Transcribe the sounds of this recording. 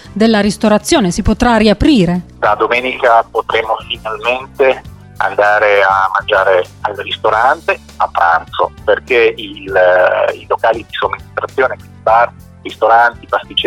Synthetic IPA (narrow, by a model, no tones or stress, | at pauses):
d̪elːaɾist̪oɾat̪sːjoːnesipot̪ɾariapɾiːɾed̪ad̪omeːnikapot̪ɾemːofinalment̪e | a̰nd̪aːɾeamːand͡ʒaːɾe | alrist̪oɾant̪e | apːɾa̰nt̪so̰perkeil | ilokaːlid̪isomːinist̪ɾat̪sːjoːnekinipaɾ | rist̪oɾant̪ipast̪it͡ʃː